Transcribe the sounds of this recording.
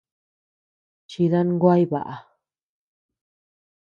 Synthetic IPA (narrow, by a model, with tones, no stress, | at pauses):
t͡ʃi˧ða˦nŋɡʷa˦jβa̰˨ʔa˨